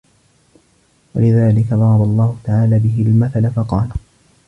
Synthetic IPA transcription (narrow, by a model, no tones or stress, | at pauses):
walɪðaːlɪkaðˤɑɾˤɑbɑlˤːɑːhʊt̪aʕaːlaːbɪɦɪlmaθalafɑqɑːl